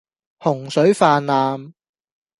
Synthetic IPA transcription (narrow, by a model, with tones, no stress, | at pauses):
hʊ˨˩ŋsɵ˨˥ɥfaː˧nːaː˨m